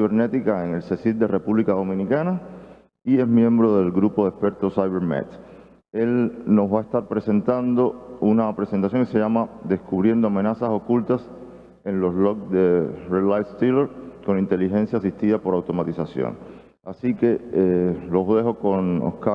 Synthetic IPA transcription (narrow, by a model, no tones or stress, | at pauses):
βeɾne̞t̪ikaeŋe̞lse̞sild̪ere̞puβlikaðo̞mĩnikana | ie̞smjẽ̞mbɾo̞ðe̞lɡɾupoðespe̞ɾt̪osajβeɾmḛt̪ | e̞lno̞sβae̞st̪aɾpɾe̞se̞nt̪and̪o̞unapɾese̞nt̪asjoŋise̞ʝamad̪e̞skuβɾje̞nd̪oamẽ̞nasaso̞kult̪as | e̞ŋlo̞slok̚d̪erelajst̪ileɾko̞ŋint̪e̞liɦẽ̞nsjaːsiht̪iðapo̞ɾawt̪o̞mat̪isasjo̰ŋ | asike̞elo̞sðe̞ɦo̞koŋo̰hka